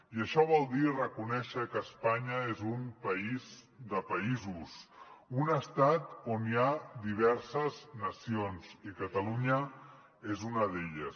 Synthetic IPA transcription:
iəʃɔβ̞ɔlˠd̪irəkunɛʃəkəːspaɲəezumpəiz | d̪əpəizusunəst̪at̪oniad̪iβ̞ɛɾsəznəsionzikət̪əluɲə | ezunəðeʎəs

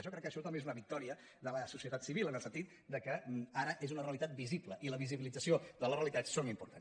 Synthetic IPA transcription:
ʒɔkɾɛkːəʃɔt̪əmbezunəβik̚t̪ɔɾiə | ðələsusiət̪at̪siβilənəlˠsənt̪it̪ | d̪əkəaɾəʔezunəreəlit̪at̪̚bizibləʔiləβiziβilid͡zəsioðələreəlit̪at͡ssonimpuɾt̪a̰n

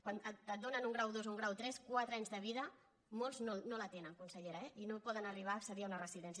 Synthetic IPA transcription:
kwanəət̪̚d̪onənuŋɡɾawðozuŋɡɾawt̪ɾɛskwat̪ɾaɲzðəβiðə | molˠznolnolət̪enəŋkunsəʎeɾaɛʔinopɔðənəriβ̞aːksəðiaunərəziðɛns̬

